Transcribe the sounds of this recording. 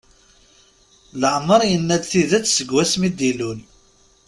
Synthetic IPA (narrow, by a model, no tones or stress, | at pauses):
ləʕməɾˤjənːæd̪θiðæt͡sːsəɡwæsmid̪ilul